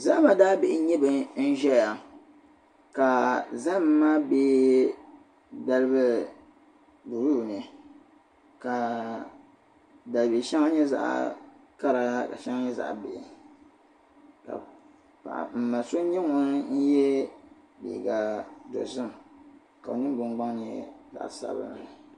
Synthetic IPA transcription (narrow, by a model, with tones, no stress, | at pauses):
za˦ma˨daː˦be˨ʔɪ˨˦ɲɛ˦bɨ˨n̩˦ʒɛ˦ja˨ | ka˨za˦m̩˦maː˦beː˦ | da˦lɨ˦bɨ˦ | bu˨ɾu˦˨nɨ˨ | ka˨ | da˨lbi˨ʃa˦ŋa˦ɲɛ˦za̰˦ʔa̰˨ka˦ɾa˨ka̰˨ʃa˦ŋ˦ɲɛ˦za̰˨ʔbe˨ | ka̰˨ | pa̰˨ʔm̩˨ma˨so˦ɲɛ˦ŋɔ˦n˦n̩˦jɛ˦ | bḭ˨ɡa˨do̰˨zʊ˦˨m˨ | ka˨o˨nɨ˦m˦ɡ͡bʊ˨ŋɡ͡ba˦ŋnɛ˨˦za̰˨ʔsa̰˦˨˦bɨ̰˦n˨